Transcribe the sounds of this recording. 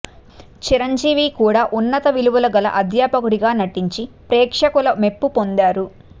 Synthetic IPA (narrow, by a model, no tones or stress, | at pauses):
t͡ʃiɾɐɲd͡ʒiːʋiːkuːɽaːʔunːɐt̪ɐʋiluʋulɐɡɐlɐ̰ʔɐd̪ʱjaːpɐkuɾiɡaːnɐʈiɲt͡ʃipɾɛːkʂɐkulɐme̞pːupo̞nd̪aːɾu